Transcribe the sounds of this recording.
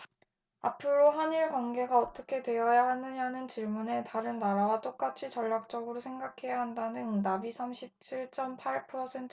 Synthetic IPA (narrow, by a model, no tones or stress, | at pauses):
apʰɯɾoɦaniɭkwʌŋɡe̞ɡaʌt͈ʌ̥kʰe̞dwe̞jʌjaɦanɯɲanɯnt͡ɕiɭmune̞taɾɯnːaɾawat͈ok͈at͡ɕʰit͡ɕʌʎːak̚t͡ɕ͈ʌɡɯɾosʰe̞ŋɡakʰe̞jaɦandanɯnːabisʰamɕʰip̚t͡ɕʰiɭt͡ɕ͈ʌmpʰaɭpʰʌsʰe̞ntʰ